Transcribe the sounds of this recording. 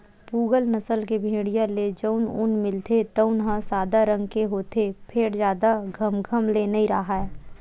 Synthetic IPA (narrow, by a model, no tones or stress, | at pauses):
puːɡəlnəsəlkebʱẽːɽijãled͡ʒəʊnʊ̰nmɪlt̪et̪əʊnɦə̃saːd̪aɾə̃ŋɡkeɦoːt̪epʰeːɽd͡ʒjaːd̪aɡʱəmɡʱəmlenɐĩɾaɦaɛː